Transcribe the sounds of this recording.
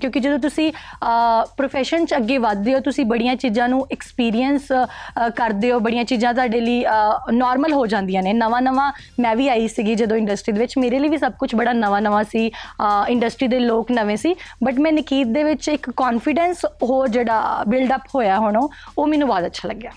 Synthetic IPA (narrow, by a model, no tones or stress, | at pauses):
kjõːkɪd͡ʒəd̪õːt̪ʊsĩː | pɾoːpʰɛːʃənt͡ʃəɡːeːʋəd̪̚ːeːoːt̪ʊsĩːbəɽijãːt͡ʃiːzãːnũːʔɛkspiːɾiənskəɾd̪eːoːbəɽijãːt͡ʃiːzãːt̪̬ʊaːɖeːliːnɔːɾməlɦoːd͡ʒãːnd̪ijãːneːnəʋãːnəʋãː | mɛ̃ːʋiːaːiːsɪɡiːd͡ʒəd̪õːɪ̃ɳɖəsʈɾiːd̪eːʋɪt͡ʃmeːɾeːləiːʋiːsəb̚kʊt͡ʃʰbəɽaːnəʋãːnəʋãːsiːɪ̃ɳɖəsʈɾiːd̪eːloːknəʋẽːsiːbəʈ̬mɛ̃ːnɪkiːt̪̚d̪eːʋɪt͡ʃɪkːɔːnfɪɖɛːnsɦoːɾd͡ʒeːɽaːbɪlɖəphoːjaːɦʊɽ̃oː | oːmɛːnũːbɔːd̪ətːʃʰaːləɡːjaː